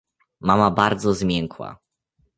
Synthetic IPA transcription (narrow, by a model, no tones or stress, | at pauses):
mamabaɾd̪zɔzmʲjɛŋkwa̰